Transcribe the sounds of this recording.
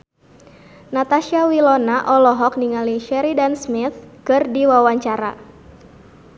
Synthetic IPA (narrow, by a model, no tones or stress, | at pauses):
nat̪aʃiawilɔnaʔɔlɔɦɔk̚niŋaliʃɛɾidansmɪt̪̚kɨrdiwawaɲt͡ʃaɾa̰